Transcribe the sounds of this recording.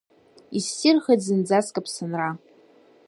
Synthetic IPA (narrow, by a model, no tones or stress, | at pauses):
isːirχad͡zɨnd͡zaskʼapʰsɨnra